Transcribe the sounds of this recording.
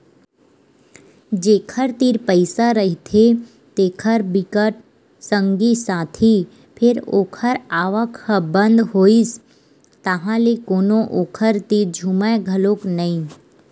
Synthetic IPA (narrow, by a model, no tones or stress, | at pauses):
d͡ʒeːkʰəɾt̪iːɾpəɪsaɾəɦit̪ʰe | t̪eːkʰəɾbɪkəʈ̚ | sə̃ŋɡisaːt̪ʰi | pʰɪɾo̰ːkʰəɾaːʋəkbə̃nd̪ɦoːis | t̪əɦãlekoːnõʔoːkʰəɾt̪iːɾd͡ʒʱumə̃ɡʱəlõːknəĩ